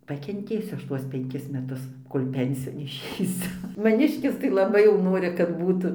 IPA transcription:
pɐkʲɛnʲˈtʲeːsʲʊ ˈɐʃ ˈtuɔs pʲɛŋʲˈkʲɪs mʲɛˈtʊs ˈkoːlʲ ˈpʲɛnʲsʲɪjoːn ɪʃʲɛɪˈsʲʊ mɐˈnʲɪʃʲkʲɪs tɐɪ lˠɐˈbɐɪ jɛʊ ˈnoːrʲɪ kɐt ˈbuːtʊ

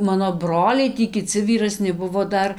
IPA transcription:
ˈmɑːnoː ˈbroːlʲɛɪ ˈtʲiː kʲɪˈt͡sʲɪ ʋʲiːrɐˈsʲnʲɪ ˈbʊʋoː ˈdɐr

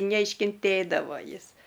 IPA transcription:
nʲɛɪʃʲkʲɪnʲˈtʲeːdɐʋoː ˈjɪs

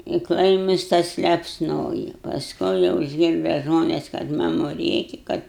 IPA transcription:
ɪ ˈklˠɐɪmʊs ˈtɐs lʲɛpsˈnoːjɪ pɐsˈkʊɪ jɛʊ ɪʒʲˈɡʲɪrdɐ ˈʒmoːnʲɛs kɐt ˈmɑːmʊ ˈrʲeːkʲɪ ˈkɐt

